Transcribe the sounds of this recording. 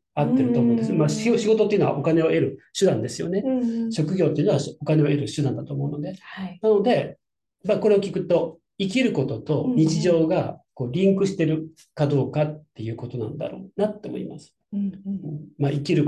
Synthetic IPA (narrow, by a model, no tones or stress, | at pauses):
at̪ːe̞ɾɯt̪oːmo̞ːnd̪sɨnmaːɕiɡo̞t̪ot̪ːeiɯ̟noa̰ʔo̞kane̞oʔe̞ɾɯ̟ɕɨd̪ãnd̪e̞sɨjo̰ne̞ɕo̞kɯ̟ɡʲo̞ːt̪eɯ̟noao̞kane̞oe̞ɾɯ̟ɕɨd̪ãnd̪at̪o̞ːmo̞ɯ̟no̞d̪e̞hanano̞d̪e̞ | mako̞ɾe̞okʲikɯ̟t̪o̞ | ikʲiɾɯ̟ko̞t̪o̞t̪o̞ɲ̟it͡ɕiʑo̞ːɡako̞ːɾʲĩŋkɯ̟ɕi̥t̪e̞ɾɯ̟ | kad̪o̞ːkat̪ːe̞jɯ̟ːko̞t̪o̞nã̰nd̪a̰ɾo̞̰ːnat̪ːe̞mo̞̰ḭmasɨ̥ | ɯ̃ɴmaʔikʲiɾɯ̟